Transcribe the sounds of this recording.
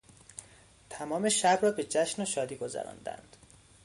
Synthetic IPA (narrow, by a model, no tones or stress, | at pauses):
t̪ʰæmɒːme̞ʃæbrɒːbe̞d͡ʒæʃnoʃɒːd̪iːɡozæ̰ɾɒ̰ːnd̪æ̰nd̪̥